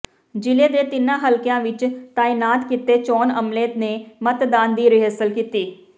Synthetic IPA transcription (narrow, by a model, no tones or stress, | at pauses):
d͡ʒɪleːd̪eːt̪ɪnãːɦəlkjãːʋɪt͡ʃt̪aːinaːt̪kɪt̪eːt͡ʃɔːnəmleːt̪neːmət̪d̪aːnd̪iːɾɪɦəːsəlkiːt̪iː